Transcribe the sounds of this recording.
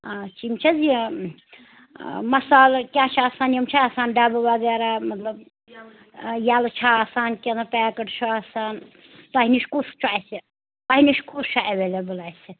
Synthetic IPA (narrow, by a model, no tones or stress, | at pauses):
at͡ʃimt͡ʃʰɐzi | mɐsaːlkʲaːt͡ʃʰaːsaːnjɐmt͡ʃʰaaːsaːnɖabɨʋɐɡɛɾamɐt̪lɐb | jalt͡ʃʰaaːsaːnkʲenɐpɛːkɐʈt͡ʃʰaaːsaːn | t̪aɦiniʃkust͡ʃʰaːjsi | t̪aɦiniʃkut͡ʃʰaʔeʋelebəlajsi